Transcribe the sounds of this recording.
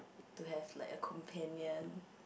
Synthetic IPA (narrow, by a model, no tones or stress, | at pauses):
duɦɛvlaɪkəkʰɔ̃mpʰɛ̃njɔ̃n